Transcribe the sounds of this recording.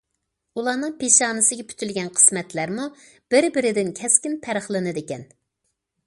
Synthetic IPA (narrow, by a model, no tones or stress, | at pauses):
ulˠɑːnɨŋpʰeʃɑːnɨsɨɡʲɛpʰy̥t̪ʰylɡʲɛnqʰə̥smɛt̪læɾmu | b̥ɪɾbɪɾɪd̪ɪnkʲʰɛskʲɪnpʰæɾəχlˠɨnɨd̪ɪkʲɛn